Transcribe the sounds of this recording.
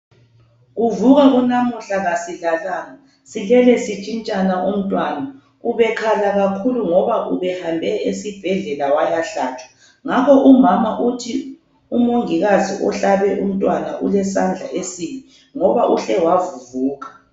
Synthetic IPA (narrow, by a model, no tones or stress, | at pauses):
ɣuvuɣaɣunamuɬaɣasiɮalana | silɛlɛsit͡ʃʼint͡ʃʼanaʔum̩tʼwana | uβɛkʰalaɣakʰuluŋɔβaʔuβɛhambʱɛesib̥ʱɛɮɛlawajaɬaːt͡ʃʰʼwḁ | ŋakʰɔʔumamaʔutʰi | umoŋiɣazḭʔɔ̰ɬaβɛʔum̩tʼwana̰ʔṵlɛsand͡ɮʱa̰ʔesini | ŋɔβaʔuɬɛwavuvuːɣa